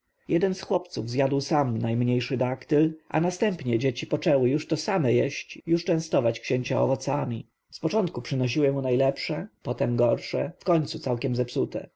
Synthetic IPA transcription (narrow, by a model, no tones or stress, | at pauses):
jɛd̪ɛnsxwɔpt̪suvzʲjad̪wsamnajmɲejʂɘd̪akt̪ɘlʔa̰nast̪ɛmpɲɛd͡ʑet͡ɕipɔt͡ʂɛwɘjuʂt̪ɔsamɛjɛɕt͡ɕjuʂt͡ʂɛ̃w̃st̪ɔvat͡ɕkɕeɲt͡ɕaɔ̰vɔt̪samʲi | spɔt͡ʂɔnt̪̚kupʂɘnɔɕ̬iwɘmunajlɛpʂɛpɔt̪ɛmɡɔɾʂɛfkɔɲt̪sut̪sawkʲɛmzɛpsut̪ɛ̰